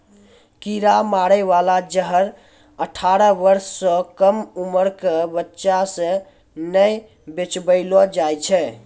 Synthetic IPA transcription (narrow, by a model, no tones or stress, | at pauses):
kiɾamaɾɛʋalad͡ʒəɦəɾ | əʈʰaɾəʋəɾsːə̃kəmuməɾkebətːʃasə̃ | nəj | bet͡ʃbəɪlɔd͡ʒajt͡ʃʰɛ